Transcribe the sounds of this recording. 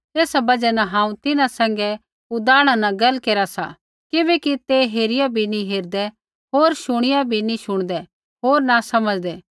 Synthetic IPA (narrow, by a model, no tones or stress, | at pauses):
eːsabɐd͡ʒɛnaɦãːũt̪ɪnãsɛ̃ːŋɡɛ | ʊd̪aːɽ̃anɐ̃ɡɐlkeːɾasa̰ | kɪbɛkit̪eɦeːɾɪjabʱinĩɦeːɾd̪ɛ | ɦoːɾʃʊɽ̃ɪjabʱinĩʃʊɽ̃d̪ɛ | ɦoːɾnasɐməd͡ʒd̪ɛː